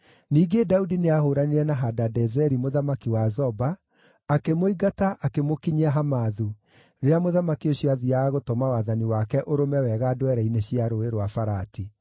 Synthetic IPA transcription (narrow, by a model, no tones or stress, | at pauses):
niːɡedaudineahoːɾaneɾɛnaɦadadɛzɛɾimoðamakiwazɔbaː | kemoiɡataʔakemokiɲaɦamaðu | ɾeamoðamakioɕiaðiaːɣotɔmawaðaniwakɛʔoɾomɛwɛɣadwɛɾaineɕiaɾoeɾowafaɾati